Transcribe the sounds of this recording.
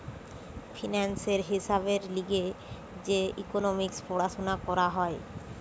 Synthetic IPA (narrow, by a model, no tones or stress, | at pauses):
fʰinanseɾɦiʃabeɾliɡe | d͡ʑeḭkonomikspɔɽaʃonakɔɾaɦɔe